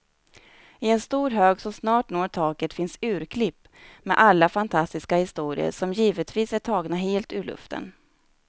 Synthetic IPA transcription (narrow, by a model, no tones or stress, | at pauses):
ɪɛnst̪uːɾɦøːɡsɔmsnɑːʈnoːʈʰɑːkət̪fɪnsʉ̟ːɾkʰlɪpːmɛ̰ʔalːafant̪ʰast̪ɪskahɪst̪uːɾɪ̰ə̰ɾʂɔmjiːvət̪viːsæʈʰɑːɡnaɦeːlt̪ʉɭɵ̰ft̪ə̰n